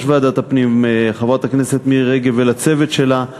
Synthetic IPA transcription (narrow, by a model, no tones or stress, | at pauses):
ʃvead̪at̪apnimχavot̪aknese̞t̪miʁeɡevelat͡se̞ve̞t̪ʃe̞la